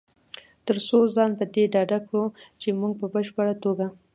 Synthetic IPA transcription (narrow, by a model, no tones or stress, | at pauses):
t̪əɾsozɑnpəd̪eɖɑɖakɽut͡ʃemuɡ̚pəbəʃpəɽat̪oɡa